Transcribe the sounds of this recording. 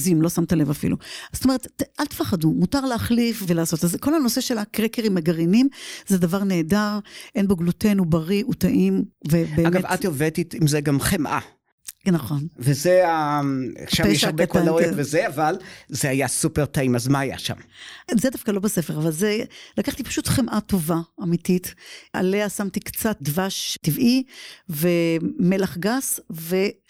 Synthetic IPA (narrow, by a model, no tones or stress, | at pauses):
zimlo̞samt̪ale̞vafḭlṵz̥otome̞et̪alt̪faχadumutaʁleaχlifvelaːso̞tazko̞lhano̞seʃe̞lakʁekeʁimeɡaʁinimzed̪avaʁne̞ːdaʁʔenbaɡlute̞nubaʁiʔutaʔimvebeːamɡaevat̪iovet̪it̪imzeɡamχemʔa̰ | naχo̞nvezea | ʃaejeʃaʁbekolaoevezeavalzeajasupeʁtaimazmaaja̰ʃa̰mzedafkalo̞bese̞feʁavalzelakaχt̪ipḁʃutχemʔato̞vaamititʔa̰leasamtikt͡sat̚dvaʃtivivemelaχɡasve̞